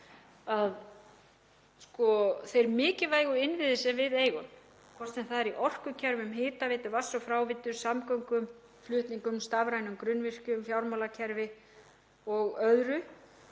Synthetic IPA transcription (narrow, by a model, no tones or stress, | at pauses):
að | skɔθejɾmɪːcɪvaːjɣʏɪnvɪðɪsɛvɪðeːjɣʏm | kʰvɔr̥t̪sɛmθaðɛɾiʔɔr̥kʏcʰɛɾvʏmɦɪːt̪avɪːt̪ɪvḁsɔfɾaːwvɪt̪ːʏɾ̥samkɔwŋkʏm | flʏht̪niŋkʏmst̪avɾajnʏmkɾʏnvɪr̥cʏmfjawɾmalacʰɛɾvɪ | ɔɣœðɾʏ